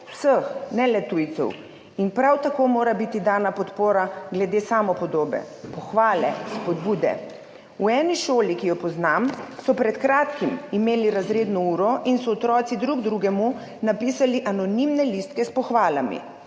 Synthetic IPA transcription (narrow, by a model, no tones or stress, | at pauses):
w̥səxnɛlɛt̪ujt̪sɛ̰w | inpɾawt̪akoːmoːɾabit̪id̪aːnapɔt̪poːɾaɡlɛd̪eːsaːmɔpɔd̪oːbɛ̰ | pɔxʋaːlɛspɔd̪buːd̪ɛ̰ | uɛːniʃoːlikijɔpɔznamsɔpɾɛt̪kɾaːt̪kimimeːliɾazɾeːd̪nɔuːɾɔʔinsɔːt̪ɾɔːt̪sid̪ɾuɡd̪ɾuɡɛmu | napiːsaliʔanɔnimnɛlist̪kɛspɔxʋaːlamḭ